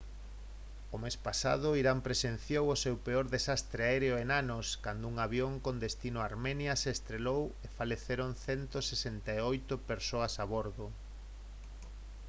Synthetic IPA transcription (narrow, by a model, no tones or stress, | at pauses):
omespasa̰ð̞ʊiɾampɾesenθjowosewpeoɾðesast̪ɾeaeɾeoenanoskand̪ʊuŋaβjoŋkond̪est̪inʊaɾmɛnjɐseːst̪ɾelowefaleθeɾoŋθɛnt̪osesent̪aeojt̪ʊpeɾsoɐsaβoɾðʊ